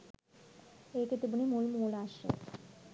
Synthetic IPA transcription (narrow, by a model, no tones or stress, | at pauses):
eket̪ebunimulmolaʃḛ